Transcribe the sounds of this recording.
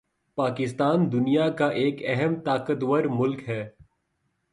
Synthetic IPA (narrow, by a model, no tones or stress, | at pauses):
paːkɪst̪aːnd̪ʊnijakaʔeːkɛɦɛmt̪aːkət̪wəɾmʊlkɦɛː